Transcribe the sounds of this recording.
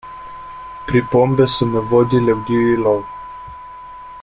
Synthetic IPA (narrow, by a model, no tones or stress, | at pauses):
pɾipombesunnevod̪ʲilewɡ̪ʲiwilɔw